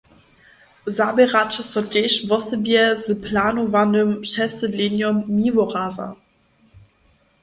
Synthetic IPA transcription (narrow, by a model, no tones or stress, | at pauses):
zabeʁat͡ʃəsɔdeʃvɔsəbiɛzəpʰlaːnovandømʃɛsəliːnjɔmːiːvoʁaːza̰